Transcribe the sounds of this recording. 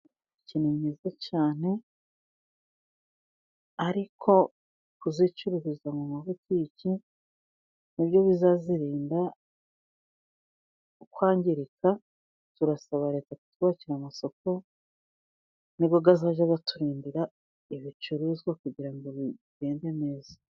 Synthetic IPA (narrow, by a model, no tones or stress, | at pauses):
iciniɲizacaːne̞ | aɾikʰo̞ | kuzit͡ʃuɾuɾizamumaβutiːci | nibjo̞βizaziɾiːnda | ukwaːɲɟiɾikʰa | tuɾasaβaɾe̞taku̥tuβaciɾamaso̞ko̞ | niβɡoɡazaːʒaɡatuɾiːndiɾa | iβit͡ʃuɾuːzɡwakuɟiɾaŋɡo̞βiɟe̞ːnde̞me̞ːza